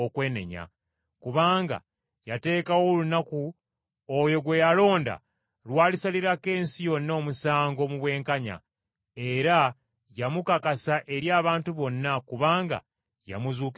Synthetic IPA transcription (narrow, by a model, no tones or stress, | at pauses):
okwe̞ːne̞̰ɲa̰ | kuβaːŋɡa̰ | jate̞ːkawo̞lunaku | ojo̞ɡwe̞jalo̞ːnda̰ | lwaːlisaliɾake̞ːnsijo̞nːoːmusaːŋɡo̞muβwe̞ːŋkaɲa̰ | e̞ɾa | jamukakasaʔe̞ɾjaːβaːntuβo̞nːakuβaːŋɡa̰ | ja̰muzuːk